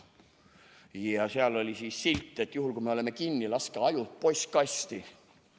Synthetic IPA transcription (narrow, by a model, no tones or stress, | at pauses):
jɑseɑlo̞lʲisiːsːilʲt̪ˑːe̞t̪ːˑjuɦulkuimeolemekinːilɑskɑɑjut̪̚po̞js̚kɑst̪i